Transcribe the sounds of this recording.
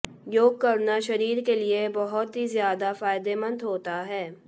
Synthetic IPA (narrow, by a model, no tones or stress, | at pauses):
joːɡ̚kɐɾnaʃɐɾiːɾkeliebɔɦʊt̪ɦizjaːd̪afaːɪd̪emə̃nd̪ɦoːt̪aɦɛː